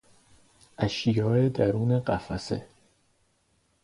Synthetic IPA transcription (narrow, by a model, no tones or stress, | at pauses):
ʔæʃijɒːed̪æɾuːneɢæfæsḛ